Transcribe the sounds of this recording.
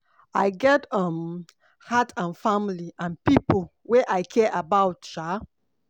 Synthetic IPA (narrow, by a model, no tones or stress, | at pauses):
aɪɡɛtʌ̃m | hatʰãnfãmliʔãnpipo | weʔajkʰɛʔabaʊtʃa